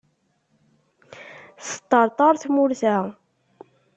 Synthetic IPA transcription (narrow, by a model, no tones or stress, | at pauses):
sə̥t̪ːəɾˤt̪ˤɑɾˤθmʊɾθæ